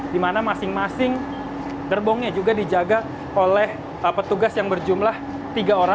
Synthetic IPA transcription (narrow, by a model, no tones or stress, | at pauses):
dimanamasɪŋmasɪŋ | dərbɔŋɲad͡ʒuɡadid͡ʒaɡa | olɛh | əpət̪uɡasjaŋbərd͡ʒumlah | t̪iɡaoɾa